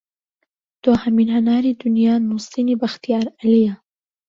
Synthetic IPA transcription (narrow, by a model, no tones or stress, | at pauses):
d̪̥ohaminhanaːɾiːd̪ʊnjaːnuːsˤinibaxt̪ijaːɾʔalija